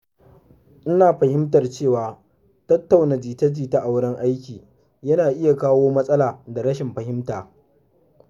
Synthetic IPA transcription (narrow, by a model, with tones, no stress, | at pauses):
ʔɪ˦naː˨ɸɐ˨hɪ˦mtɐ˨rt͡ʃeː˦˨waː˨ | tɐ˦tːa˨wna˨d͡ʒiː˨tɐ˦d͡ʒiː˨ta˦ʔa˨wɽɪ˦ŋʔa˦jkʲiː˨ | jɐ˦naː˨ʔɪ˦ja˨kaː˦woː˦mɐ˦sʼɐ˦laː˨da˨ɽɐ˦ʃɪ˨mɸɐ˨hɪ˦mtaː˨